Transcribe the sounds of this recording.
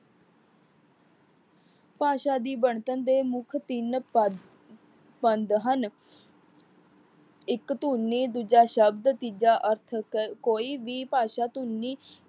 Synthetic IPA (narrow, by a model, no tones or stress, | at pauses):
paːʃaːd̪iːbəɳt̪ənd̪eːmʊkʰt̪ɪn | pənd̪ɦən | ɪkt̪uːnːiːd̪uːd͡ʒaːʃəb̚d̪t̪id͡ʒaːʔəɾt̪ʰkkoːiːʋiːpaːʃaːt̪unːiː